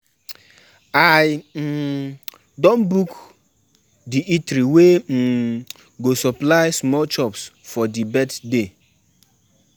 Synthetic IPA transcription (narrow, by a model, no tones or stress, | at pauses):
ajm̩ | dɔ̃nbuk | diʔitɾiwem̩ | ɡosɔplajsmɔlt͡ʃɔpsfɔdibɛtde